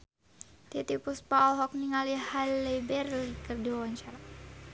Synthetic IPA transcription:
t̪it̪ipuspaɔlɦɔk̚niŋalihalɛbɛrlikərdiwawaɲt͡ʃaɾa

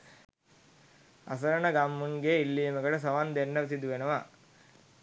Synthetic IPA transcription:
ɐ̰s̬ɐɾɐɳɐɡamːuŋɡeilːiːmɐɡɐɽɐs̬ɐʋɐnd̪enːɐʋisid̪uʋenɐʋa

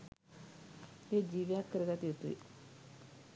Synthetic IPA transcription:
eːd͡ʒiːʋejakːəɾəɡat̪ijut̪uʋḭ

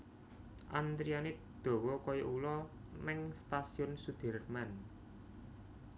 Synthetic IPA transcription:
ʔand̪ɾianɪt̪̚ | d̪̥o̤wɔkɔjɔʔulɔnɪŋst̪asiʊnsud̪̥ə̤rman

